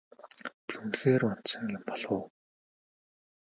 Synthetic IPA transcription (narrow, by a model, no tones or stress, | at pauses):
pʰunxeːrɔn̥sə̆ŋjʊmpɔɮʊ̆ː